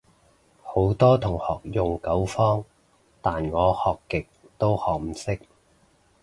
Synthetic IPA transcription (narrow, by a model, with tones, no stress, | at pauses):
ho˨˥wt̪ɔː˥t̪ʰʊ˨˩ŋhɔː˨k̚jʊ˨ŋkɐ˨˥wfɔː˥ŋ | t̪aː˨nŋɔː˨˧hɔː˨kːɪ˨k̚ | t̪o˥whɔː˨k̚m̩˨˩sɪ˥k̚